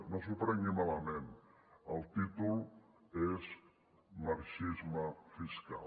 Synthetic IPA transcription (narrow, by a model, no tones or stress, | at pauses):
nos̬upɾɛŋɡimaləmenəlˠt̪it̪ulˠ | ez | məɾʃizməfiska̰l